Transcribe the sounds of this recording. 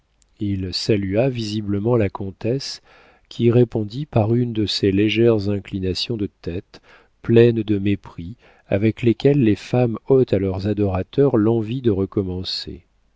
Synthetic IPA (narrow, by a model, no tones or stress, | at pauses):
ilsalyavizibləmɑ̃lakɔ̃t̪ɛs | kʲʰiʁepɔ̃d̪ipaʁynd̪əseleʒɛʁzɛ̃klinasjɔ̃d̪ət̪ɛt̪ | plɛnd̪əmepχi | a̰vɛklekʲɛlːefamɔt̪alœʁzad̪ɔʁat̪œʁlɑ̃vid̪əʁəkɔmɑ̃sḛ